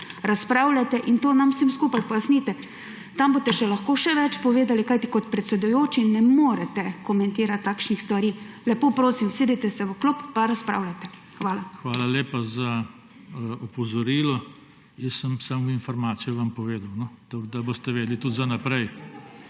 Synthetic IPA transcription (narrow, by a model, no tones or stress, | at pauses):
ɾaspɾaːwlʲat̪ɛʔint̪oːnamsimskuːpajpɔjasniːt̪ɛ | t̪ambot̪ɛʃɛlaxkoːʃɛʋɛt͡ʃpɔʋeːd̪alikajt̪ikɔt̪pɾɛt̪sɛd̪ʊjoːt͡ʃinɛmoːɾɛt̪ɛkɔmɛ̃nt̪iːɾat̪ːaːkʃnixst̪ʋaɾiːlɛpoːpɾoːsimseːd̪it̪ɛsɛʋəklupːaɾaspɾa̰ːwlʲat̪ɛ | xʋaːlaxʋaːlaleːpaza | ɔpɔzɔɾiːlɔ | jɛsəmsamɡinfɔɾmaːt̪sijuʋampɔʋeːd̪awnɔt̪aɡd̪aboːst̪ɛʋeːd̪lit̪ut̪zanapɾɛj